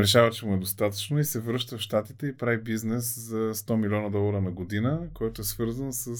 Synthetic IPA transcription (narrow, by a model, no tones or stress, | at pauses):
ɾɛʃavət͡ʃɛmuɛd̪ost̪at̪ə̥t͡ʃnoisɛvɾɤʃt̪əfʃt̪at̪it̪ɛipɾavibiznɛszɐst̪ɔmilʲiɔnɐd̪ɔlˠɐɾənɐɡod̪inəkɔjt̪oɛsvɤɾzənsəs